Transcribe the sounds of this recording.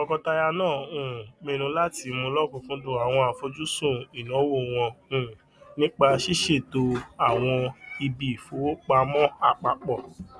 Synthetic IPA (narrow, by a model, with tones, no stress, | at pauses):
ɔ˧kɔ˧ta˧ja˧nãː˦˨ũ˨mĩ˧ɾ̃ũ˧˦la˦ti˧mũ˧lɔ˦˨kũ˧kũ˦do˦˨a˨w̃ɔ̃˧a˨fo˧d͡ʒu˦sũ˦˨i˨nɔ̃˨˦wo˦˨w̃ɔ̃˧ũ˨ | nĩ˦k͡pa˧ʃi˦ʃe˦˨to˧a˨w̃ɔ̃˧i˧bi˨fo˨˦k͡pa˧mɔ̃˦a˦˨k͡pa˨˦k͡pɔ˦˨